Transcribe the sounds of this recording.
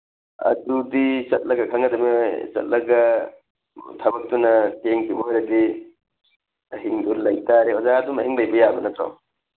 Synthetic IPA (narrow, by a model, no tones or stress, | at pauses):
ɐ̰dudisɐt̚lɐɡɐkʰɐŋɐdɐmisɐ̰t̚lɐɡɐ | tʰɐbɐk̚tunɐteŋkʰibɐojɾɐdi | ɐɦiŋduɾlɐjtaɾeozaɐdumɐɦhiŋlɐjbɐjabɐnɐt̪ʰɾo̰w